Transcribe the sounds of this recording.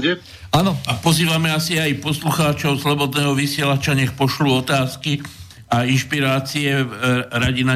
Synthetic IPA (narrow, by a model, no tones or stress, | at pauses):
ɛ | anɔapɔziːʋamɛasiajpɔsluxaːt͡ʃɔʊslɔbɔd̪nɛːɦɔʋisɪɛlat͡ʃaɲɛxpɔʃluɔt̪aːski | ainʃpiɾaːt͡siɛɾaɟina